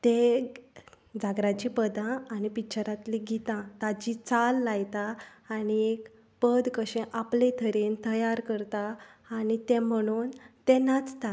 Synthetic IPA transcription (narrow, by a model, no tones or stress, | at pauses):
t̪e | d͡zaɡɾat͡ɕipəd̪ãːnipit͡ɕəɾat̪lĩɡʱit̪ãt̪ad͡ʑit͡salːajt̪aː | ɽiek | pəd̪kəɕẽʔaplet̪ʰəɾent̪əjaɾkəɾt̪aːnit̪ẽm̤əɽ̃uːnt̪ɛnat͡st̪a